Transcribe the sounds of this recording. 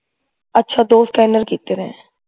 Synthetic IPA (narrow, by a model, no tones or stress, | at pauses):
ətːʃʰaːd̪oːskɛːnəɾkiːt̪eːɾɛ̃ː